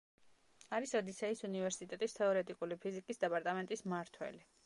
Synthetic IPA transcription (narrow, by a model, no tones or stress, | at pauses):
aɾisɔd̪isɛisunivɛɾsit̪ʼɛt̪ʼist̪ʰɛɔɾɛt̪ʼikʼulipʰizikʼisd̪ɛpʼaɾt̪ʼamɛnt̪ʼismaɾt̪ʰwɛ̰li